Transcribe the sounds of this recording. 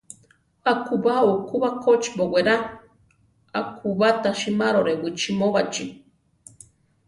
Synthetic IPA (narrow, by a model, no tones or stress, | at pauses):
akubaukuβakot͡ʃʼiboweɾa | akʰuβat̪aʃimaɾoɾewit͡ʃimoβat͡ʃʼi